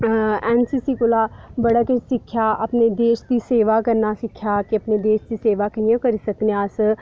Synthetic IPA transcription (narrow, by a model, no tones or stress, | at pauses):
ɛːnsiːsiːkʊlaːbəɽaːkesɪkʰːjaːʔəpned̪eːʃd̪iːseːʋaːkəɾnaːsɪkʰːjaːkiəpneːd̪eːʃd̪iːseːʋaːkiːẽkəɾiːsəkneaːs